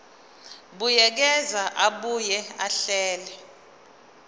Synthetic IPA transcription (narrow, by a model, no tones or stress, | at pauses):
ɓujɛk̬ɛzaʔaɓujɛaɬɛːlɛ